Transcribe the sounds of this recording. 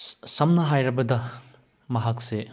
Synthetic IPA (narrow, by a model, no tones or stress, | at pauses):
sɐmnɐɦajɾɐbɐdɐ | mɐɦak̚se